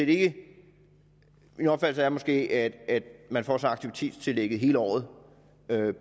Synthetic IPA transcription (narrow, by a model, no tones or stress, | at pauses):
eɾee̝ɡ̥ə | inɒb̥fæd̥l̩səæɐmɒ̽sɡ̥e̝̰ːʔæd̥æd̥mænfɒ̰ːsɑ̈ɪɑɡ̥̚t͡sʰiʋit͡sʰe̝̰ːd̥st͡sʰe̝leɡ̥əð̞̩ˠɦe̝̰ːləɒ̰ːð̞̩ˠ | ø